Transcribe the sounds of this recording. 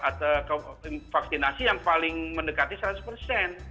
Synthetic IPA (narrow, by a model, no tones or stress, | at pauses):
at̪aknfak̚sinasijaŋpalɪŋməndəkat̪isɾat̪uspərsɛn